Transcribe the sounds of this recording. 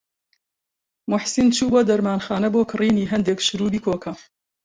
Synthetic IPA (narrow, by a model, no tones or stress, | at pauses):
mʊħsint͡ʃʰuːboːd̪ɐɾmaːnxaːnɐboːkʰɨriːniːɦɐnd̪ekʃɨɾuːbiːkʰoːkʰɐ